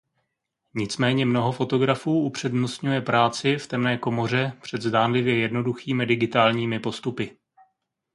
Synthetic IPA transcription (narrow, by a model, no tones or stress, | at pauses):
ɲɪt͡smɛːɲɛmno̞ɦo̞fo̞t̪o̞ɡɾafuːʔupr̝̥ɛdnost̪ɲujɛpɾaːt͡sɪft̪ɛmnɛːko̞mo̞r̝ɛpr̥ɛd̪zdaːnlɪvjɛjɛdno̞duxiːmɪdɪɡɪt̪aːlɲiːmɪpo̞st̪upɪ